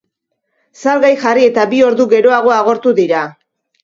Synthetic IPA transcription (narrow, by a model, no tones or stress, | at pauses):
salɣajxarie̞t̪abio̞ɾðuɣe̞ɾo̞aɣ̞o̞aɣ̞o̞ɾt̪uðiɾa